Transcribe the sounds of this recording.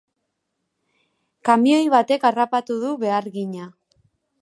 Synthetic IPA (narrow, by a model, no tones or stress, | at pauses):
kamio̞jβ̞at̪e̞karapat̪uðuβe̞aɾɣiɲa